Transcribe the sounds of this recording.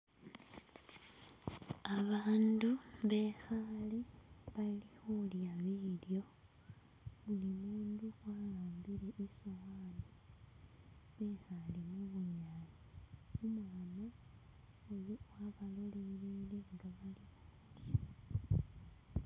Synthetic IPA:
aβaːnduβe̞xaleβalixuljaβiːljo̞ | βulimuːnduwalaːmbileʔisowaːne | βexalemuβuɲaːzi̥umwaːno | ojowaβaloleɾileŋɡaβalixuːdja

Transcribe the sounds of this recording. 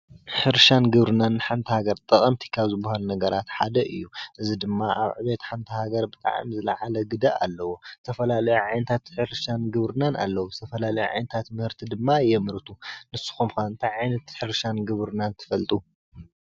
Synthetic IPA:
ħɨɾʃanɡɨβɾɨnanːħant̪ʰihaɡɐɾt̪ʼɐχʼɐmt̪ʰi̥kʰaβzɨbːahalunɐɡɐɾat̪ħad̪ɐʔɨjːuʔɨzid̪ɨmːaʔa̰βʕɨβet̪ħant̪ʰihaɡɐɾbɨt̪ʼa̰ʕa̰mzɨla̰ʕalɐɡɨd̪ɐʔalːɐwot̪ʰɐfɐlalɐjuʕajnɐt̪ʰat̪ħɨɾʃanɡɨβɾɨnanʔa̰lːɐwuzɨt̪ʰɐfɐlalɐjuʕa̰jnɐt̪ʰat̪mɨhɨɾt̪ʰid̪ɨmːajɛmɨɾɨt̪ʰunɨsːɨ̥xomkʰaɨnt̪ʰaʕajnɐt̪ħɨɾʃanɡɨβɾɨnant̪ʰɨ̥fɐlt̪ʼu

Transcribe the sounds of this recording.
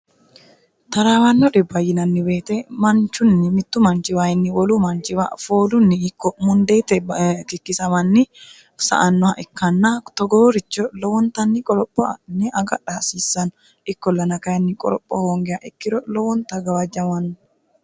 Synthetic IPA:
t̪ɐɾawɐnːɔɗɪbɐjːɪnɐnːɪbeːt̪ɛmɐnt͡ʃːʊnːɪmɪt̪ːʊmɐnt͡ʃɪwaːjɪnːɪwɔlumɐnt͡ʃɪwa̰ːfoːlʊnːɪːkːɔmʊnd̪et̪ɛkɪkːɪsɐmɐnːɪ | sɐ̰ʔɐnːɔaʔɪkːɐnːɐt̪ɔɡoːɾɪt͡ʃːɔlɔwɔnt̪ɐnːɪkʼɔɾɔpʼːɔ̰nːɪʔɐɡɐ̰ᶑaːsiːsːɐnɔ | ʔɪkːɔlːɐnɐkɐjɐnːɪkʼɔ̰ɾɔpʼːɔhoːŋɡɛjaʔɪkːɪɾɔlɔwɔnt̪ɐɡɐwɐd͡ʒːɐmɐnːɔ

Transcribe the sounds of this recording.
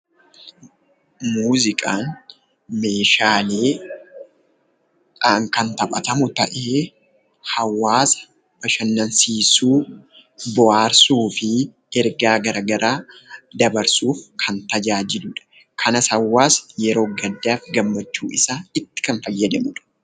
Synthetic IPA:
muːzɪkʼaːn | me̞ːʃaːleː | ʔɐŋkɐnt̪ɐpʼɐ̰t̪ɐmʊt̪ɐ̰ʔeː | hɐwːaːsɐ̥ | bɐʃɐnːɐnsiːsuː | bɔaːɾsuːfɪ | ɛɾɡaːɡɐɾɐɡɐɾʔaːd̪ɐbɐɾsuːfkʰɐnt̪ɐd͡ʒaːd͡ʒɪlʊᶑɐ̥ | kʰɐnɐsɐwːaːsjɛɾo̞ːɡɐd̪ːaːfɡɐmːɐt͡ʃːuːɪsaːɪt̪ːɪ̥kɐnfɐjːɐd̪ɐmʊᶑɐ̥

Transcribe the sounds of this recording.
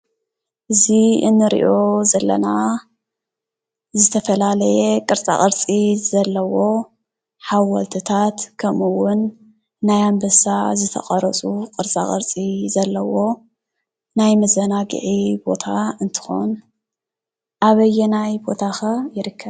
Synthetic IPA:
ʔɨziɨ̰nːɨɾḭʔo̞zɐlːɐ̰na | zɨt̪ʰɐfɐlalɐjekʼɨɾt͡sʼa̰χʼɨɾt͡sʼizɐlːɐwo̞ | ħawɐlt̪ʰɨt̪ʰat̪kʰɐmuwːʊnː | ajambɐsazɨt̪ʰɐ̰χʼɐɾɐt͡sʼukʼɨɾt͡sʼa̰χʼɨ̰ɾt͡sʼizɐlːɐwo̞ː | ajmɐzɐnaɡɨ̰ʕibo̞̰t̪ʰaɨnt̪ʰɨ̥xo̰n | ʔaβɐjɛnajbo̞t̪ʰaxɐjɪɾɨkʰːɐβ

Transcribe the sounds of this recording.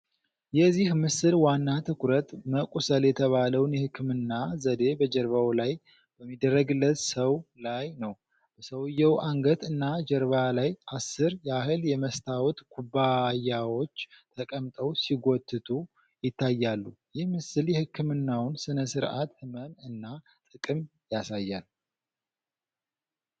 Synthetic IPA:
jɛzːihmɨsɨlwanːat̪ʰɨkʰɾət̪məkʼusəljɛt̪ʰəβaləwnjɛhɨkːɨmɨnːazəd̪e̞bəd͡ʒəɾβawlaj | b̥əmːid̪ərːəɡɨlːət̪səwlajnəw | b̥əsəwɨjːɛwʔaŋɡət̪ɨnːad͡ʒɛɾβalajʔasːɨɾjɛahɨljɛməst̪ʰawt̪ɡʰubajawo̞t͡ʃːt̪ʰəkʼəmt̪ʼəwsiɡot̪ʰːɨt̪ʰu | jɪt̪ːajːalːujɪhmɨsɨljɛhɨkʰːɨmɨnːawnsɨnəsɨɾʔat̪hɨmənɨnːa | t̪ʼɨkʼɨmjasajːal

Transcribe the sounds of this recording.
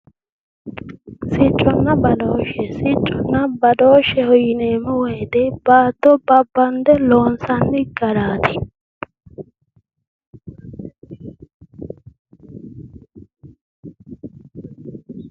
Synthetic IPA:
sɪt͡ʃʼːɔnːɐbɐd̪oːʃɛsɪt͡ʃʼːɔnːɐbɐd̪oːʃɛhɔjɪneːmɔweːd̪ɛbaːd̪ːɔbɐbːɐnd̪ɛloːnsɐnːɪɡɐɾaːt̪ɪ

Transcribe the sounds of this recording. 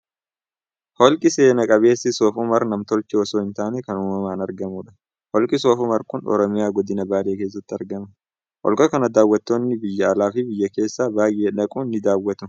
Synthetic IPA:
hɔlkʼɪse̞ːnɐkʼɐβe̞ːsːɪsoːfʊmɐɾnɐmt̪ɔlt͡ʃʼɪɔsoːhɪnt̪aːnɛkɐnʊmɐmaːnɐɾɡɐmuːᶑɐ̥ | hɔlkʼɪsoːfʊmɐɾkʊnɔ̰ɾɔmɪjaːɡɔd̪ɪnɐbaːle̞ːke̞ːs̬ːɐt̪ːɪɐɾɡɐmɐ | hɔ̰lkʼɐkɐnɐd̪aːwːɐt̪ːo̞ːnːɪbɪjːɐːlaːfɪbɪjːɐke̞ːsːaːbaːjʔeːᶑɐkʼuːnːɪd̪aːwːɐt̪ʊ

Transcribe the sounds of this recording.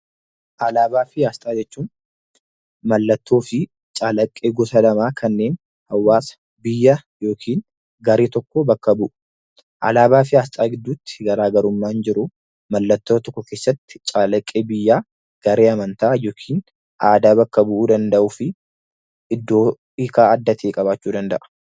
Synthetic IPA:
ʔɐlaːbaːfɪjaːst̪ʼaːd͡ʒɛt͡ʃːuːn | mɐlːɐt̪ːo̞ːfɪ | t͡ʃʼaːlɐkʼːeːɡɔsɐlɐmaːkʰɐnːe̞ːn | hɐwːaːsɐ̥ | bɪjːɐjo̞ːkʰiːn | ɡɐɾeːt̪ɔkːɔbɐkːɐbʊʔʊ | ʔɐ̰laːbaːf̬ɪaːst̪ʼaːɡɪd̪ːuːt̪ːɪ̥ɡɐɾaːɡɐɾʊmːaːɪnd͡ʒɪɾʊ | mɐlːɐt̪ːoːt̪ɔkːɔkeːsːɐt̪ːɪ̥t͡ʃʼaːlɐkʼːeːbɪjːaː | ɡ̥ɐɾeːɐmɐnt̪aːjo̞ːkʰiːn | ʔaːd̪aːbɐkːɐbʊʔuːd̪ɐnd̪ɐʔʊfɪ | ɪd̪ːo̞ː | ikaːɐd̪ːɐt̪ʰeːkʼɐβaːt͡ʃːuːd̪ɐnd̪ɐʔɐ̥

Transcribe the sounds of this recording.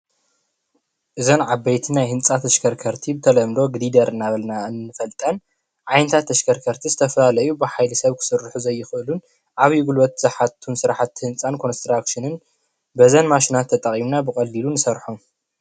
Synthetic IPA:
ʔɨzonʕabːɐjt̪ʰinajhɨnt͡sʼat̪ʰɐʃkʰɐɾkʰɐɾt̪ʰibɨt̪ʰɐlɐmlo̞ɡdid̪ɐɾɨnaβɐlnaɨnːɨfɐlt̪ʼɐn | ʕajnɐt̪ʰat̪ʰːɐʃkʰɐɾkʰɐɾt̪ʰizɨt̪ʰɐfɐlalɐjubɨħajlɨsɐβkʰɨ̥sɨɾːħuzɐjːɪxɨʔɨlun | ʔaβjuɡulwɐt̪̚zaħat̪ʰunsɨɾaħat̪ːhɨnt͡sʼankʰo̞nst̪ɾakʃɨnɨn | bɐzɐnmaʃinat̪ʰːɐt̪ʼɐχʼimnabɨkʼɐlːilunɨsɐɾħom

